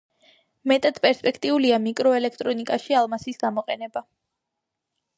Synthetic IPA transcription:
mɛt̪ʼad̪̥pʼɛɾspʼɛkʰt̪ʼiuliamikʼɾɔɛlɛkʰt̪ʼɾɔnikʼaʃialˠmasisɡamɔqʼɛnɛba

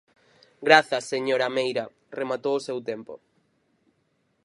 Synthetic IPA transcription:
ɡɾaθɐsːeɲoɾamejɾɐ | remat̪owʊsewt̪empo̰

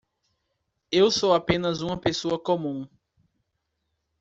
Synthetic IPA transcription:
ewsowapẽnɐzũmɐpesoɐkõmũ

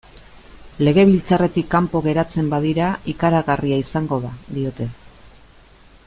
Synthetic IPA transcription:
le̞ɣe̞βilt͡sare̞t̪ikːampo̞ɣe̞ɾat͡se̞mbaðiɾaikaɾaɣariaisaŋɡo̞ðaðio̞t̪e̞

